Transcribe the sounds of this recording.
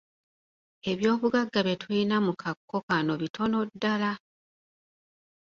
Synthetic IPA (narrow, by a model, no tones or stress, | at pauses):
e̞βjo̞ːβuɡaɡːaβe̞twinamukʰakːo̞kano̞βitʰo̞no̞dːala